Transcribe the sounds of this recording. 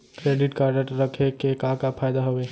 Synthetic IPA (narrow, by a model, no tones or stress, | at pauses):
kɾeːɖɪʈkaɾəʈɾəkʰekekakapʰaːjd̪aɦoʋeː